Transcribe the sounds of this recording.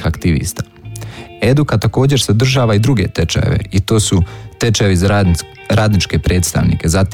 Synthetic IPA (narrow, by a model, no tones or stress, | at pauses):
xakt̪iʋḭːst̪a | e̞d̪ukat̪ako̞ːd͡ʑe̞ɾsed̪r̩ʒaːʋaid̪ɾuɡe̞̰t̪et͡ʃa̰jḛʋe̞̰it̪o̞ːsut̪e̞t͡ʃaeʋiz | ɾaːd̪nit͡ʃke̞pɾe̞ːt̪st̪a̰ʋnḭke̞zat̪